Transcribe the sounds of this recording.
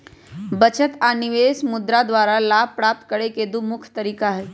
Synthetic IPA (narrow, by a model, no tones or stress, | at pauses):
bət͡ɕət̪aniʋesmud̪ɾad̪ʋaɾalab̚pɾap̚t̪̚kəɽeked̪umukʰt̪əɾiːkaɦe